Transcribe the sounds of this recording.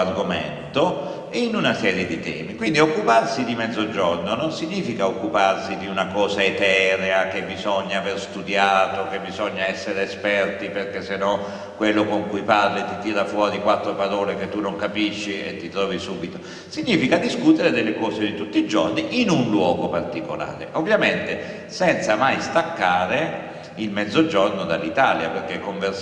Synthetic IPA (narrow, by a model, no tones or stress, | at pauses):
arɡomɛ̰nt̪o | inunasɛːɾjed̪it̪ɛ̰ːmikwind̪iokːuparsid̪imɛd̪zːod͡ʒɔrnononsiɲːiːfikaokːuparsid̪iunakɔːzaet̪ɛːɾeakebizɔɲːaːverst̪ud̪jaːt̪okebizɔɲːaɛsːeɾeːspɛrt̪iperkesːenɔ | kːwelːokoŋkujparlit̪it̪iːɾafwɔːɾikwat̪ːɾopaɾɔːleket̪ːunoŋkapiʃːiḛt̪ːit̪ɾɔːvisuːbit̪o | siɲːiːfikad̪iskut̪eɾed̪elːekɔːsed̪it̪ut̪ːid͡ʒo̰rniʔinunlwɔːɡopart̪iko̰la̰ːɾḛʔovːjament̪e | sɛnt̪samajst̪akːaːɾe | ilmɛd̪zːod͡ʒɔrnod̪alːit̪aljaperk̟ekːoɱver